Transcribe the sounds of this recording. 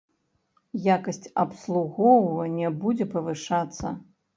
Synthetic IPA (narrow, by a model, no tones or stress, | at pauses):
jakɐsʲt͡sʲɐpslˠuɣɔwvɐnʲɛbud͡zʲɛpɐvɨʂat̪sːɐ̰